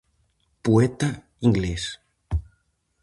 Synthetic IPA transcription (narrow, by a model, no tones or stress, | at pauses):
puet̪a | ĩŋɡles